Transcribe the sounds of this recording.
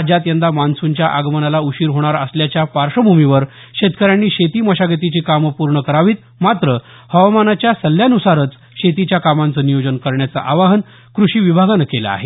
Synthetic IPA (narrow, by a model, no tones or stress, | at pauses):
d͡ʑat̪jend̪amansuɲt͡ɕjaʔaɡmənalauɕiːɾɦoɽ̃aɾəsljat͡ɕjapaɾʂəbʱumiʋəɾ | ɕet̪kəɾjanːiːɕet̪iːməɕaɡət̪̬it͡ɕiːkampuɾɳəkəɾaʋiːt̪ | mat̪ɾə | həʋmanat͡ɕjasəl̤ːjanusaɾət͡s | ɕet̪̬it͡ɕjakamant͡səːnijod͡ʑənkəɾɳjat͡saʔaʋaɦən | kɾuɕiːʋibʱaɡanəkela̰a̰ɦe